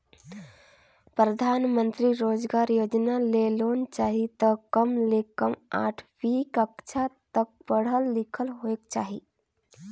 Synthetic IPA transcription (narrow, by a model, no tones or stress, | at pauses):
pɾəd̪ʱaːnmə̃nt̪ɾiɾoːd͡ʒɡaːɾjoːd͡ʒnaleloːnt͡ʃaːɦit̪əkəmlekəma̰ːʈʰʋikəkt͡ʃʰat̪ək̚pəɽ̤əlːikʰəlɦoek̚t͡ʃa̰ːɦḭ